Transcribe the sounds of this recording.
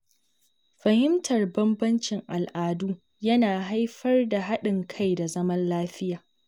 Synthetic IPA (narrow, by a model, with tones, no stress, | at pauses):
ɸɐ˨hɪ˦mtʰɐ˨rbɐ˦mbɐ˦nt͡ʃɪ˨ŋʔa˨lʔaː˨duː˦ | jɐ˦naː˨ɦa˦jɸɐ˦rda˨ɦa˦ɗɪ˨ŋkʰa˦jda˨zɐ˦mɐ˦nlaː˦ɸɪ˦jaː˨